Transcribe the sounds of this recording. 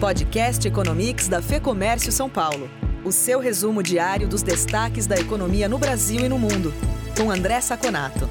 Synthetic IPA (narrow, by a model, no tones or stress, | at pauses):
pɔd͡ʒikɛst͡ʃɪekonõmiksd̪ɐfekomɛɾsijʊsɐ̃w̃pawlʊʊsewɦezumʊd͡ʒiaɾjʊd̪ʊzd̪est̪akɪzd̪ɐekonomiɐnʊbɾaziwɪnʊmũnd̪ʊkõw̃ɐ̃nd̪ɾɛsakona̰t̪ʊ